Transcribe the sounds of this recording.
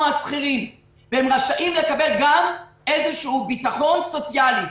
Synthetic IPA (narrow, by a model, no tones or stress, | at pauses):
masχilim | vehemʁaʃaʔimlekabelɡamʔezeʃuubit̪aχo̞nso̞t͡sjali